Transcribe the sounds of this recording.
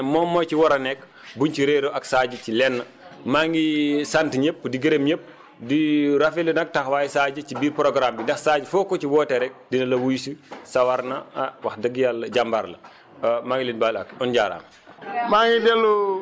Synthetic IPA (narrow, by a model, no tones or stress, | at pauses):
mɔmːɔjt͡ʃiwɔɾɐnɛk | buɲt͡ʃiɾeɾoaksaːɟəcilɛnːɐ | maŋɡisantɲepːdiɡəɾemɲep̚ | diɾafilənɐk̚taxwaːjsaːɟət͡ʃibiːɾpɾoɡɾamdindɛxsaɟfɔkːot͡ʃiwɔːtɛɾɛk̚dinɐlɐwujsusawaɾnaawaxdəɡjalɟambaɾlɐ̰ | maːŋɡilinbalakɔnɟaːɾa̰ːm | maŋidɛlu